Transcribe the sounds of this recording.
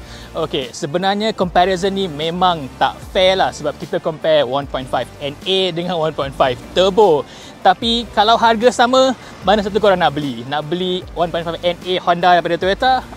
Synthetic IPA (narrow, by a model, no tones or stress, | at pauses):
okesəbənarɲãkɔmpɛɾezənːimẽmãŋt̪a̰ʔfɛlahsəbap̚kit̪akɔmpɛwanpɔjnt̪fajfɛ̃nedəŋãnwanpɔjnfajft̪əbo | t̪apikalawɦarɡasamə̃ | manasat̪̬ukoɾaŋnaʔbəlinaʔbəliwanpɔj̃nfafɛnehandadajpadat̪uɾet̪a